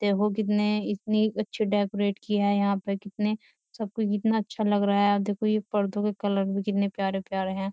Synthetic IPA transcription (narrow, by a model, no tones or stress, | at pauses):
d̪̥eːkʰok̬ɪt̪neɪt̪niɐtːʃʰiɖɛːkoɾeːʈkiaɦɛjɐɦãpekɪt̪ne | sɐb̚kut͡ʃkɪt̪naɐtːʃʰalɐɡɾaaɛaːd̪eːkʰojepɐɾd̪õkekɐləɾbʱikɪt̪nepjaːɾepjaːɾeɦɛ̃ː